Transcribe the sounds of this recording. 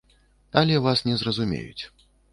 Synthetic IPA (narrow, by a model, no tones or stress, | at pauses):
ɐlʲɛvasnʲɛzrɐzumʲḛjṵt͡sʲ